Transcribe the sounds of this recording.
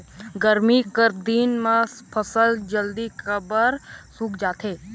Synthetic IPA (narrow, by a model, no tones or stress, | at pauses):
ɡəɾmikəɾd̪iːnmãpʰəsəld͡ʒəld̪ikʰəbəɾsuːkd͡ʒaːt̪ɦeː